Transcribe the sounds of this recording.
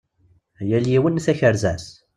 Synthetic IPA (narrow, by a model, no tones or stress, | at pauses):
jæljiwənːθæçəɾzæs